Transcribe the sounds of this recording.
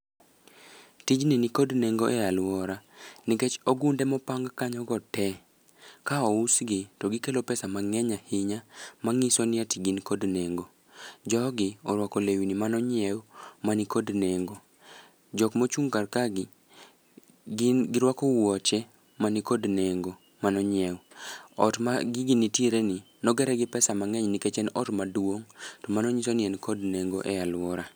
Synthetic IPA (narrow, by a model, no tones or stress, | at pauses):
tid͡ʒninikodneŋɡoʔɛalwɔɾanɪket͡ʃɔɡundɛmɔpaŋɡkaɲɔɡɔtɛ | kaɔusɡɪtɔɡɪkelopɛsamaŋɛɲahiɲamaŋisɔnɪatiɡinikodneŋɡo | d͡ʒɔɡɪɔɾwakɔlewinimanɔɲɪɛwmanikodneŋɡo | d͡ʒɔkmot͡ʃuŋkarkaɡɪ | ɡɪɾwakɔwɔt͡ʃɛ | manikodneŋɡo | manɔɲjɛwɔ̰tmaɡɪɡinitjeɾenɪ | nɔɡɛɾɛɡɪpɛsamaŋɛɲniket͡ʃɛnɔtmadwoŋtɔmanɔɲisonɪɛnkodneŋɡoʔɛalwɔɾa